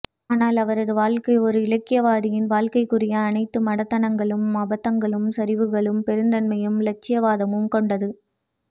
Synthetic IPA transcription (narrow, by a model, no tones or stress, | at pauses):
aːnaːlɐʋɐɾɐðɯʋaːɭkɐɪɔɾɯɪlɐkːɪjɐʋaːðɪjɪnʋaːɭkɐɪkːɯrɪjɐːnɐɪt̪ːɯmɐɽɐt̪ːɐnɐŋɡɐɭɯmɐbɐt̪ːɐŋɡɐɭɯmsɐɾɪʋɯɣɐɭɯmpɛɾɯnd̪ɐnmɐjɯmlɐt͡ʃːɪjɐʋaːðɐmɯmkɔɳɖɐðɯ